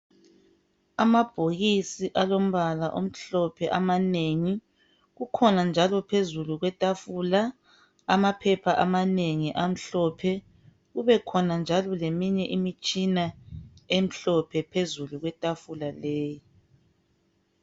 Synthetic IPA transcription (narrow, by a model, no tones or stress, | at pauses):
amab̥ʱoɣisiʔalom̩βalaʔom̩ɬɔpʰɛʔamaneŋi | ɣukʰɔnand͡ʒʱalɔpʰezuluɣwɛtʼafula | amapʰɛpʰaʔamaneŋiʔam̩ɬɔpʰɛ | ɣuβɛkʰɔnand͡ʒʱalɔlemiɲɛʔimit͡ʃʼinaem̩ɬɔpʰɛpʰezuluɣwɛtʼafulaleːji